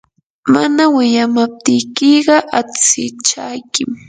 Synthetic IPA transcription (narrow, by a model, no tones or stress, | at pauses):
ma̰nawɪjamap̚t̪ɪjkɪɢɑʔat͡sɪt͡ʃajkɪm